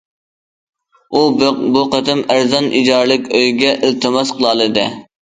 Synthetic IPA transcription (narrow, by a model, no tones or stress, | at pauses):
ubuqət̪ʰɪmæɾzɑnʔid͡ʒɑɾlˠɨkʲøjɡʲɛʔɪlˠt̪ʰɨmɑsqʰəlˠɑlˠɨd̪ɨ̰